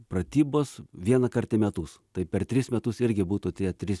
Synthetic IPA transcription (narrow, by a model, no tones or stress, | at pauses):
pɾɐt̪ʲiːboːsʋʲiɛnɐkɐrʲt̪ʲɪmʲɛt̪ʊst̪ɐɪpʲɛrt̪ʲɾʲɪsmʲɛt̪ʊsɪɾʲɡʲɪbuːt̪uːt̪ʲiɛt̪ʲɾʲɪs